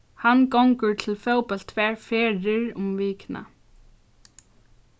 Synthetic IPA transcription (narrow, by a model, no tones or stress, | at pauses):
hanːkowŋkʏɾt̪ʰɪlfoːwpɛl̥t̪ʰvɛːɹfɛːɾɪɾʊmviːkna̰